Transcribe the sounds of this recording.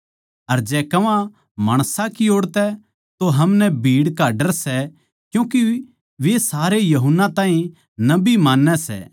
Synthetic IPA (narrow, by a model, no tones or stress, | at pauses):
ɐɾd͡ʒɛːkɐʋã | maːɽ̃sãkioːɽt̪ɛ | t̪oɦɐmnɛbʱiːɽkaːɖəɾsɛ | kjũːki | ʋesaːɾejɐɦʊnːãt̪aːɦĩ | nɐbimaːnːɛsɛ̰ː